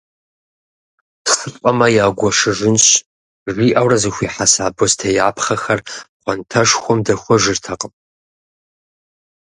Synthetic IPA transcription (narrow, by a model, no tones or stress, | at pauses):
tχətʼqʷʼɐmɐjaːɡʷɔʂɨʒʷɪnɕ | ʒʷiːʔɐwrɐzɨxʷiːħasaːboztʰɐjaːpʰχɐxɐrχʷɐntʰɐʂxʷɔmdɐxʷɔʒʷɪrtʰɐqʼəm